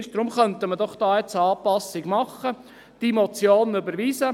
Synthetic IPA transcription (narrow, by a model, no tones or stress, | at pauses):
ʃd̥ɾʊmχœnt̪əmədɔχd̥ɑːjɛt͡səɑːpɑsɪɡmɑχːə | d̥imot͡sjoːnybəɾʋiːsə